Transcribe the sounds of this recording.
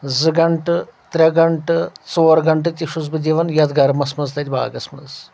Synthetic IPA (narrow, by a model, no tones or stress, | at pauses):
zɨɡɐɳʈɨt̪ɾʲɐɡɐɳʈɨt͡soːɾɡɐɳʈɨt̪ʲiʂuzbɨd͡ʒiːʋɐnjɐd̪ɡɐɾmɐsmɐnzd̪ɐd̪ʲba̰ːɡɐsmɐz